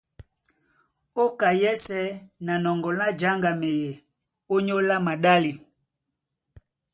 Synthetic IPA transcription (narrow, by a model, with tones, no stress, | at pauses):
o˦ka˨jɛ˦sɛ˦na˨nɔ˨ŋɡɔ˨na˦d͡ʒa˦ŋɡa˨me˨je˨ | o˦ɲo˦la˦ma˨ɗa˦li˨